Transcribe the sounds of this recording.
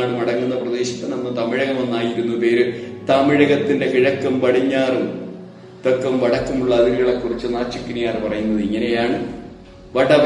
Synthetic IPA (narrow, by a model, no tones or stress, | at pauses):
aːɽɨmɐɽɐŋːunːɐprɐd̪e̞ːɕi̥t̪ːenɐmːɐt̪ɐmiɻɐɣɐmonːaːjiɾunːupe̞ːɾɨt̪ɐmiɻɐɣɐt̪ːinde̞kiɻɐkːɐmʋɐɽiɲːaːrum | t̪okːɐmʋɐɽɐkːɐmuɭːɐːðiɣɐɣɐɭekːurit͡ɕːɨnaːt͡ɕːukːinijaːrpɐrɐjunːɐðɨiŋːɐne̞jaːɳɨ | ʋɐɽɐʋ